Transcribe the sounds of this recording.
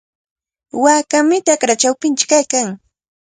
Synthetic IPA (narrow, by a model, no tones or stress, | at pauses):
waːkamɪt̪akɾat͡ʃawpɪnt͡ʃɪ̥kajkaŋ